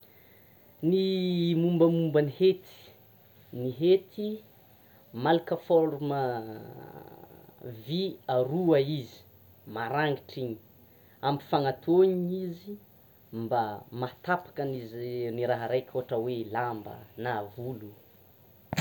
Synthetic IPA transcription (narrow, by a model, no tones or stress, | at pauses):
nimumbəmumbənihet̪i̥ | niɦet̪ʰi | malakəfolumə | viaɾuaizi̥ | maɾaŋɡiʈ͡ʂiɲi̥ | ambi̥faŋat̪ʰoɲizi | mbamat̪apḁkənizniɾaɦaɾajkʲʰoɦaʈ͡ʂəwelambə̰navulu